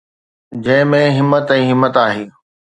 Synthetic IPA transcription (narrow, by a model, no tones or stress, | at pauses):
d͡ʑɐ̃ɦɪ̃mẽɦɪmːət̪ɛ̃ːɦɪmːət̪aːɦeː